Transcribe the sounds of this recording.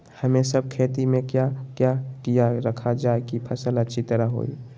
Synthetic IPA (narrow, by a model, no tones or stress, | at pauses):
hɐmẽsəb̚kʰeːt̪imẽkjakjaːkijaɾəkʰad͡ʒaːekipʰɐsələtːʃʰit̪əɾaɦo̰ːḭ